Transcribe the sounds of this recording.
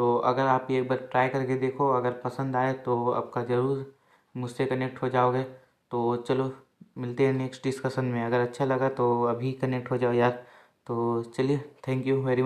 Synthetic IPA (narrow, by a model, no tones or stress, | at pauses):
t̪oːɐ̰ɡəɾaːp̚kieːk̚baːɾpɾaːjkɐɾked̪eːkʰoɐɡəɾpɐsə̃nd̪aːet̪oɐ̰p̚kad͡ʒɐɾuːɾ | mʊd͡ʒʱsekɐnek̚ʈɦod͡ʒaːoːɡe | t̪oːt͡ʃɐlo | mɪlt̪eɦɛ̃neːksʈɖɪskəʃənmẽɐɡəɾɐtːʃʰalɐɡat̪oɐbʱikɐnek̚ʈɦod͡ʒaːojaːɾ | t̪oːt͡ʃɐliet̪ʰɛ̃ːŋkjuʋɛːɾi